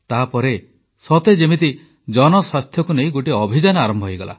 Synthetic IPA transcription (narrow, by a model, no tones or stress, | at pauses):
t̪apɔɾe | sɔt̪ed͡ʒemit̪i | d͡ʒɔnɔswast̪ʰjɔkunej̃ɡoʈiɔbʱid͡ʒanɔaɾɔmbʱɔɦojɡɔla̰